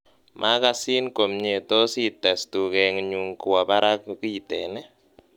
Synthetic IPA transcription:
mʔa˦ka˦si˦nko˨mɲe˨tɔ˦si˦t̪ɛ˨stu˨kɛ˨ŋɲu˨ŋku˨wa˨ba˦ɾa˦kki˦˨tɛ˨nɛ˦

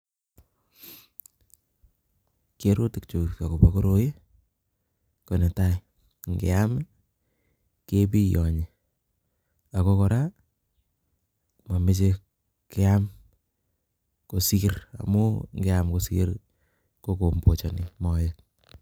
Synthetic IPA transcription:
keɾo˦tɪ˨k̚t͡ʃo˨ka˨ko˨pako˦ɾoje˦ | ko˨ne˨ta˦ | ŋɡḛ˨am | ke˦pi˦jɔ˨ɲe˨ | a˨ko˦kɔ˨ɾa˦ | ma˨mɪ˦t͡ʃe˦ | ke˦am | ko˨si˦ɾa̰˨mo˦ŋɡe˦amko˨si˦ɾ | ko˦ko˨mbo˨t͡ʃa˨nɪ˨mɔjɪt̚

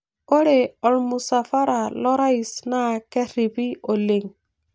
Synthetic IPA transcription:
o˦ɾe˨ɔ˨ɾmu˨sa˨fa˦ɾa˨lɔ˦ɾa˦i˨sna˦˨kɛ˦ɾi˨bi˦o˨le˨ŋ

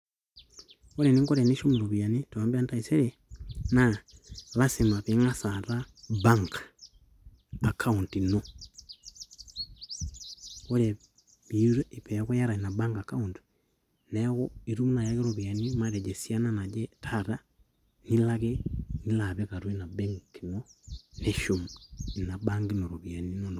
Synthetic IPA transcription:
o˦ɾe˨ni˦ŋko˦ɾe˨ni˦ʃo˦me˨ɾo˨βi˨a˨ni˦toa˨mbi˦a˦nta˦i˨se˦ɾe˨ | na˦la˦si˨ma˨pe˨˦ŋa˦sa˨ta˦ba˦ŋkḁ | a˨kʰa˦u˨nti˨no˦ | o˦ɾe˨ | βi˨˦ɾe˦e˨pɛ˨˦ko˦ja˦ɾa˨i˨na˨ba˦ŋɡa˨ka˦u˨nti̥ | nɛ˦ko˦i˨ɾu˦m˦na˨ja˦ke˦ɾo˨βi˨a˨ni˦ma˦ɾe˨d͡ʒe˨sja˦na˦na˨d͡ʒɛ˦tʰa˦ta˦ | ni˦la˦ke˦ni˦la˨βe˦ka˨ɾwe˦na˨be˦ŋki˨mo˦ne˦ʃo˨mi˨na˨ba˦ŋɡi˦no˨ɾo˨βi˨a˨ni˦no˦n˨

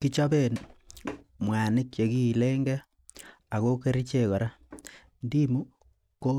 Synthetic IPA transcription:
ki˦t͡ʃabe˨n | mwa˨ni˦kje˨ki˦˨le˦ŋɡe˦ | a˨ɣo˦ke˦ɾit͡ʃe˨kɔ˨ɾa˦ | ndi˦mu˦ | ko˦

